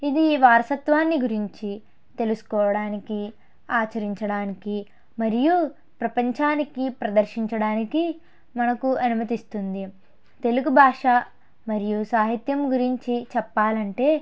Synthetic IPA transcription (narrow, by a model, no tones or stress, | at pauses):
id̪iʋaːɾɐsɐt̪ʋaːnːiɡuɾiɲt͡ʃi | t̪e̞lusu̥kɔːʋɐɽaːniki | aːt͡ʃɐɾiɲt͡ʃɐɽaːniki | mɐɾiju | pɾɐpɐɲt͡ʃaːnikipɾɐd̪ɐɾʃiɲt͡ʃɐɽaːniki | mɐnɐkuɐnumɐt̪ist̪und̪i | t̪e̞luɡubʱaːʂaː | mɐɾijusaːɦit̪jɐmɡuɾiɲt͡ʃit͡ʃɛpːaːlɐɳʈe̞ː